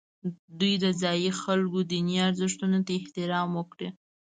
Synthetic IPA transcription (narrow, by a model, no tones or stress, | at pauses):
d̪ujd̪əzɑjixalɡod̪iniiaɾzɪʂt̪unot̪aɪht̪ɪɾɑmwəkɽi